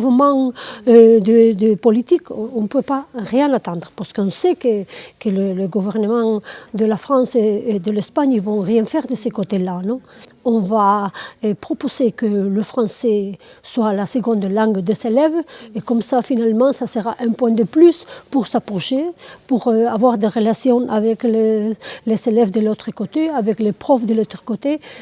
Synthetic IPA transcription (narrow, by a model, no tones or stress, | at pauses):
vmɑ̃ød̪əd̪əpɔlit̪ikɔ̃pøpaʁjɛ̃nat̪ɑ̃nd̪ʁəpaʁsə̥kɔ̃sɛkəkələləɡuvɛʁnəmɑ̃d̪əlafχɑ̃seed̪əlɛspaɲilvɔ̃ʁjɛ̃fɛʁd̪əsekot̪elanɔ̃ɔ̃va | pχɔpozekələfχɑ̃sɛswalasəɡɔ̃nd̪lɑ̃ŋɡd̪əselɛvekɔmsafinalmɑ̃sasəʁaʔɛ̃pwɛ̃d̪əplyspuʁsapʁɔʃepuʁavwaʁd̪eʁəlasjɔ̃avɛklelezelɛvd̪əlot̪χəkot̪eavɛklepχɔfd̪əlot̪χə̥kot̪e